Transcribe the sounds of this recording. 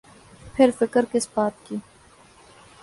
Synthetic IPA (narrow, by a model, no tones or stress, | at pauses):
pʰɪɾfɪkəɾkɪsbaːt̪̚kiː